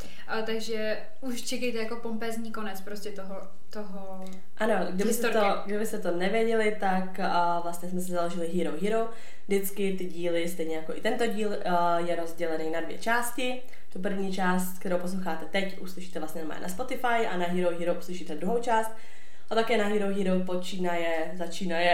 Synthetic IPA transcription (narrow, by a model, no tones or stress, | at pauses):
t̪aɡʒɛ | uʃt͡ʃɛkɛjt̪ɛjakopompɛːzɲiːkonɛt͡spɾoscʲɛt̪oɦo | t̪oɦo | ʔano̞ɡdɪbɪst̪o | ɡdɪbɪst̪ɛt̪o̞nɛvjɛɟɛlɪt̪akː | vlast̪ɲɛsmɛsɪzalo̞ʒɪlɪɦiːɾowɦiːɾow | dɪt͡skɪt̪ɪɟiːlɪst̪ɛjɲɛjakoʔɪt̪ɛnt̪o̞ɟiːl | jɛɾo̞zɟɛlɛninadvjɛ̰t͡ʃaːscɪ | t̪up̬r̩vɲiːt͡ʃaːst̪k̚t̪ɛɾowpo̞s̬lowxaːt̪ɛt̪ɛcʔuslɪʃiːt̪ɛvlasɲɛnmɛ̰naspot̪ɪfajʔanaɦiːɾowɦiːɾowʔuslɪʃiːt̪ɛd̪ɾuɦowt͡ʃaːst̪̚ | ʔat̪akɛːnaɦiːɾowɦiːɾowpo̞t͡ʃiːnajɛ | zat͡ʃiːnajɛ